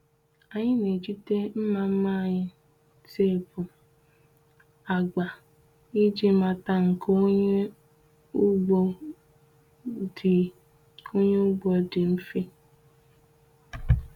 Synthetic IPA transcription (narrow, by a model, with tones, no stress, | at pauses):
a˨ɲɪ˦ne˨d͡ʒi˦te˦m̩˦ma˨m̩˦ma˦˨ɲɪ˦ | te˦˨bʊ˨ | a˨ɡ͡ba˨ | i˦d͡ʒi˦ma˨ta˦ŋ̩˨ko˦ɲe˦ | u˦ɡ͡bo˦ | dɪ˨ | o˦ɲe˦u˦ɡ͡bo˦dɪ˨m̩˦fi˦